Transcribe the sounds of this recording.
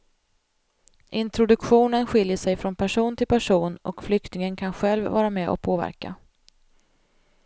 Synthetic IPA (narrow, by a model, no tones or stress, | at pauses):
ʔɪnt̪ɾʊd̪ɵkɧuːnənɧɪljəʂɛjfɾɔnpʰæʂuːnt̪ʰɪlpæʂuːnʔɔkflʏkt̪nɪŋənkʰanɧɛlvːɑːɾamɛːʔɔ̰k̚pʰoːvæ̰ɾka̰